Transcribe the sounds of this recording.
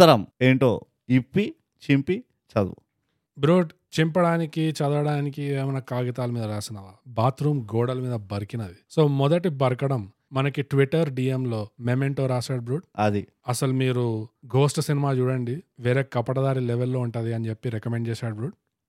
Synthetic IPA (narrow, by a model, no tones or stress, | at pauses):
ɐɾɐmeːɳʈoː | ipːi | t͡ʃimpi | t͡ʃɐd̪ṵ | bɾuːɖ | t͡ʃimpɐɽaːnikit͡ʃɐd̪ʋɐɽaːnikieːmɐnɐkaːɡit̪aːlɐmiːd̪ɐɾaːsinɐʋaːbaːt̪ɾuːmɡoːɽɐlɐmiːd̪ɐbɐɾkinɐd̪isoːmɔd̪ɐʈibɐɾkɐɽɐmː | ɐnɐkiʈʋiʈɐɾɖiːemlo̞ːmemeɳʈoːɾaːsaːɽ̚bɾuːʈɐd̪i | ɐsɐlumiːɾuɡo̞ːsʈsinimaːt͡ʃuːɽɐɳɖiʋeːɾeːkɐpɐɽɐd̪aːɾilɛʋelːoːuɳʈaːd̪iɐnit͡ʃepːiɾekɐmeɳɖt͡ʃɛːsaːɽbɾuːʈ̚